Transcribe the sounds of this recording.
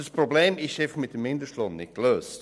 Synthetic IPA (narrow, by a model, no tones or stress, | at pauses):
d̥əspʁɾobleːmɪʃefəχmɪt̚dəmːɪndəʃtlɔnnɪ̰t̚kløːst